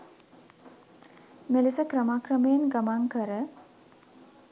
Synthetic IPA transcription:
melisəkɾəmakrəmejenɡamaŋkəɾə

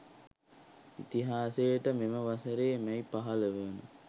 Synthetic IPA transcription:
it̪iɦaːsejʈəmeməʋasəɾeːmɛjpaɦɐləʋenu

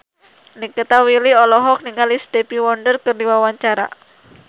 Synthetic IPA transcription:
nikət̪awiliɔlɔɦɔk̚niŋalisd̪epiwɔndərkərdiwawaɲt͡ʃaɾa̰

